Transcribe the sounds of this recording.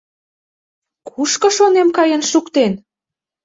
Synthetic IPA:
kʰuʃkɤ̆ʃonemkɑjənʃukt̪en

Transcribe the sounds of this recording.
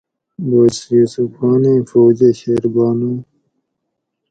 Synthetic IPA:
bɐsjusufɑːnĩːfoːd͡ʑeɕeːɾbɑːnũː

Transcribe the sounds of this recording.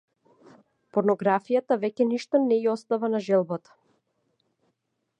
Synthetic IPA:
pɔɾnɔɡɾafijat̪avɛcʲɛniʃt̪ɔnɛiɔst̪avanaʒɛlˠbat̪ḁ

